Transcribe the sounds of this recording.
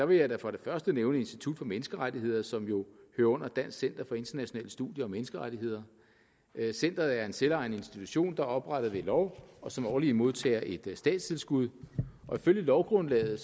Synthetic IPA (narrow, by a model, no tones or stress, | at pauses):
d̥ɑ̈ʋe̝jɑ̈ɪd̥æfʁɑ̈ɾ̥e̝fɶɐsd̥əneːʊnəe̝nsd̥it͡sʰud̥fɒ̽menəsɡ̥əʁadihe̝ð̞̰ˠɐsɒ̽mjo̝høːɐɔ̽n̰ɐd̥æn̰ssen̰d̥ɐfɒ̽e̝nd̥ɐnæɕo̝nɛ̰ːləsd̥ṵðˠjɐɒ̽menəsɡ̥əʁad̥iɦe̝ð̞̰ˠɐ | sen̰d̥ʁɐð̩ˠæɐe̝nselɑ̈ɪ̰nəe̝nsd̥it͡sʰuɕo̝̰ːnd̥ɑ̈ɒ̽b̥ʁaɾ̥ɐðʋe̝lɒʊɒ̽sɒ̽mɒːlimo̝ð̞ˠt͡sʰɛ̰ːɐʔe̝d̥sd̥ɛ̰ːd̥st͡sʰe̝lsɡ̥uð̞ˠʔɒ̽iføl̰jəlɒʊɡ̥ʁɔ̽nlɛ̰ːð̩ˠ